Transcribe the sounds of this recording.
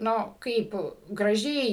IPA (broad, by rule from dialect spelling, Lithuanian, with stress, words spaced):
ˈnʊ ˈkɐɪp ɡrɐˈʒʲɛɪ